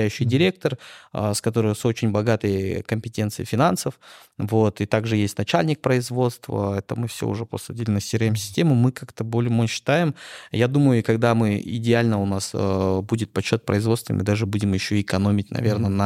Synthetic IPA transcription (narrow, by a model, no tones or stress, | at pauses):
æjʉɕːɪjdʲɪɾʲek̚t̪ərskɐt̪o̞ɾɨjso̞t͡ɕɪnʲbɐɡat̪əjkəmʲpʲɪtʲe̞nt̪sɨjɪfʲɪnansəf | vo̞t̪ɨt̪aɡʐɨjesʲtʲnɐt͡ɕælʲnʲɪk̚pɾəɪzvo̞t̪st̪və̰ɛt̪əmɨfsʲo̰ʊ̰ʐɛposɐdʲɪlʲɪnəsʲiɾəjɪmsʲɪ̥sʲtʲe̞mʊmɨkakt̪əbolʲmoɕːɪ̥t̪ajɪmjad̪uməjʊkɐɡd̪amɨɪ̰dʲɪalʲnəʊnasəbudʲɪt̪̚pɐɕːo̞t̪̚pɾəɪzvot̪st̪vəmɨ̰d̪aʐɨbudʲɪmjɪɕːoɪkɐno̞mʲɪtʲnɐ̰vʲe̞rnənɐ